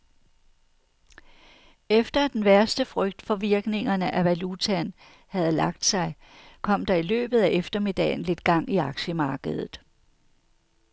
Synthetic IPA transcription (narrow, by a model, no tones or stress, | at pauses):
efd̥ɐæd̥enʋæɐsd̥əfʁœɡ̥̚d̥fɒ̽ʋiɐɡ̥ne̝ŋɐnəʔæʋælut͡sʰæn | hæð̞̩ˠlɑ̈ɡ̥̚d̥sɑ̈ɪ | kʰɒ̽m̰d̥ɑ̈ilø̰ːb̥ð̞̩ˠæʔefd̥ɐmid̥ɛ̰ːn̩le̝d̥ɡ̥ɑ̈ŋ̰iɑ̈ɡ̥ɕəmɑ̈ːɡ̥əð̞̩ˠð̩ˠ